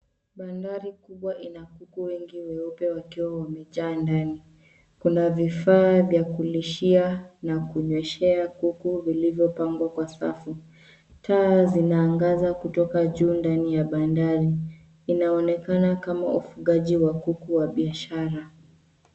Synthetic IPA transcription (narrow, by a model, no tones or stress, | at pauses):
ɓandaɾikuɓwaʔinakukuwɛŋɡiwɛɔpɛwakiwawamɛʄaːndani | kunavifaːvjakuliʃianakuɲwɛʃɛakukuvilivjɔpaŋɡwakwasa̰fu | tʰaːzinaːŋɡazakutɔkaʄuːndanijaɓandaɾiː | naɔnɛkanakama̰ufuɠaʄiwakukuwaɓiaʃaɾa